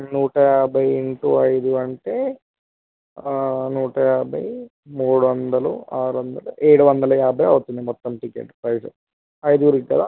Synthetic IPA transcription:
nuːʈɐjaːbʱɐjeɳʈuɐjd̪uɐɳʈeː | nuːʈɐjaːbʱɐ̰j | muːɽuʋɐnd̪ɐlṵaːɾuʋɐnd̪ɐluʔeːɽuʋɐnd̪ɐlɐjaːbʱɐjɐʋut̪und̪imɔt̪ːɐmʈikḛːʈpɾɐjsṵ | ɐjd̪uuɾikːkɐd̪a

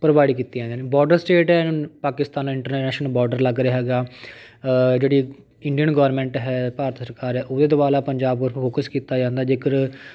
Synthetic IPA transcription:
pɾəbaːɖiːkiːt̪ːiːd͡ʒãːnd̪aːneːbɔːɾɖəɾsʈeːʈɦɛːpaːkɪst̪aːnãɪɳʈəɾnnɛːʃnəlbɔːɾɖəɾləɡɾeaːɦɛːɡaː | d͡ʒeːɽiː | ɪɳɖijənɡɔːəɾmɛ̃ːɳʈɦɛːpaːɾət̪səɾkaːɾɦɛːʔod̪eːd̪obaːlaːpəɲd͡ʒaːbkəɾfʰoːkəskiːt̪aːd͡ʒãːnd̪aːd͡ʒeːkəɾ

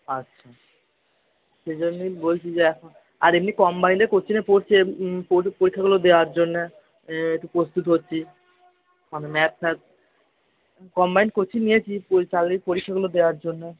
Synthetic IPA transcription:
atːɕʰa | ʃed͡ʑonːibolt͡ɕʰid͡ʑeɛkʰon | aɾemnikɔmbajnekoɾt͡ɕʰinepoɾt͡ɕʰepopoɾikʰːaɡulod̪eoaɾd͡ʑonːe | eʈupɾost̪ut̪ɦotːɕʰi | manemɛtsɛt̚ | kɔmbajnkoɾt͡ɕʰinijet͡ɕʰipot͡ɕalipoɾikʰːaɡulod̪eoaɾd͡ʑonːe

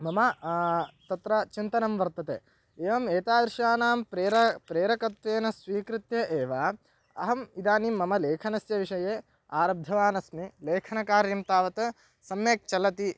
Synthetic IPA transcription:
mɐmɐ | t̪ɐt̪ɾɐt͡ʃint̪ɐnɐmʋɐɾt̪ɐt̪ḛː | eːʋɐmeːt̪aːd̪ɾɪʃaːnaːmpɾeɾɐpɾeːɾɐkɐt̪ʋeːnɐsʋiːkɾit̪jɐʔeːʋa | ɐ̰ɦɐmid̪aːnimːɐmɐleːkʰɐnɐsjɐʋiʂɐjeː | aːɾɐb̚d̪ʱɐʋaːnɐsmileːkʰɐnɐkaːɾjɐmt̪aːʋɐt̪ɐ | sɐmjeːk̚t͡ʃɐlɐt̪i

